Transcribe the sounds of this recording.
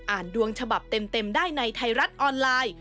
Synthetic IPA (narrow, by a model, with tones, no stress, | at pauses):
ʔaː˨˩ndu˧əŋt͡ɕʰa˧ba˨˩p̚t̪e˧mt̪e˧mdaː˥˩jna˧jt̪ʰa˧jɾa˦˥t̪̚ʔɔː˧nlaː˧j